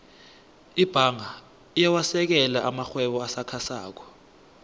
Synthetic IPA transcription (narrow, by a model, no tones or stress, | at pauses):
ib̥ʱaŋa | ijawasɛk̬ɛlaʔamaxwɛɓɔasakʰasa̰ːk̬ɔ̥